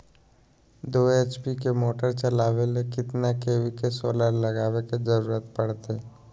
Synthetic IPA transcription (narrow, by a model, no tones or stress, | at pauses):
d̪oːeːt͡ʃpikemoːʈəɾt͡ʃɐlaːʋelekɪt̪nakeːwikesoːlaɾlɐɡaːʋeked͡ʒəɾuːɾət̪pɐɽt̪ɦɛː